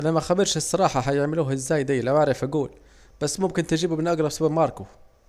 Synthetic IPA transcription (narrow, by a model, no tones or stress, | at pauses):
ʔanæmæxabɪɾˤʃɪsˤːɑɾˤɑːħɑɦajɪʕmɪluːɦɪzːaːjd̪ajːlawaʕɾɪfʔaɡuːl | b̥asːmʊmkɪnt̪ɪʒiːbubɪnʔaɡɾˤɑbsʊbabmɑːɾˤku